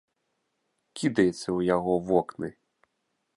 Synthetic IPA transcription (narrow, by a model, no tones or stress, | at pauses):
kʲʰid̪ɐjesʲːɐujɐɦɔʋɔknɪ